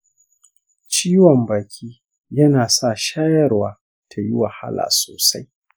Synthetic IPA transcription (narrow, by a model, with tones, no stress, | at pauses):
t͡ʃiː˦wɔ˨mbaː˨kʲʰiː˦ | jɐ˦naː˨sa˦˨ʃaː˦jɐ˦rwaː˨˦ | tʰa˨ji˦wa˨ha̰˦la̰ː˨soː˨sa˦j